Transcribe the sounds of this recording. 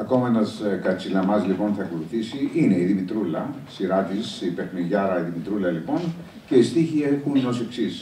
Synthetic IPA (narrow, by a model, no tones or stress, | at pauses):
ɐko̞mɐenɐskɐt͡silɐmɐzlipo̞nθɐko̞luθisiine̞iðimit̪ɾulɐsiɾɐt̪isipe̞xniʝɐɾɐiðimit̪ɾulɐlipo̞n | ce̞ist̪içiexuno̞se̞ksis